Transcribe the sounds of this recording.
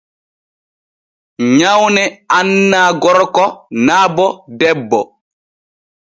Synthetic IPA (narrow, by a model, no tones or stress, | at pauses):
ɲawnɛanːaːɡɔɾkɔnaːbɔdɛbːɔ